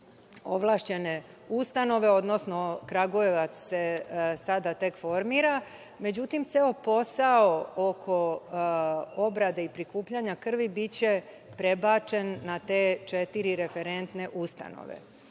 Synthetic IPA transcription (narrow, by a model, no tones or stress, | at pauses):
o̞ʋlˠaːʃt͡ɕe̞ne̞ | ust̪ano̞ʋe̞o̞d̪no̞sno̞kɾaɡojeʋat̪sse̞sad̪at̪e̞kfo̞ɾmiːɾa | me̞d͡ʑut̪imt̪seːopo̞saookʰo̞ | o̞bɾad̪eipɾikuːpʎaɲakr̩ʋibit͡ɕe̞ | pɾebaːt͡ʃe̞nːat̪e̞ːt͡ʃe̞t̪iɾiɾe̞fe̞ɾe̞nt̪ne̞ʔust̪a̰no̰ʋḛ